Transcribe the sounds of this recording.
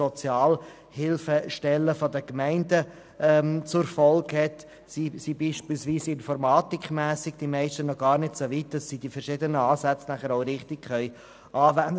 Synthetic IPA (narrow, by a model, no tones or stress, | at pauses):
ɔt͡sjɑːl | hɪlfəʃtɛlːəfɔdəkmæɪndə | ʔɛmt͡sʊɾfɔlkhɛt | sisiːbiːʃpilsviːsɪnfɔɾmɑːtikχmæːsɪɡd̥imɛɪʃtənɔɡ̥ɑːɾnɪtsovit̚d̥ɑsːiːd̥ifəɾʃɪdənəɑːsæt͡snæχəɾoʊɾɪχtɪkχœʏ | ʔɑːvænd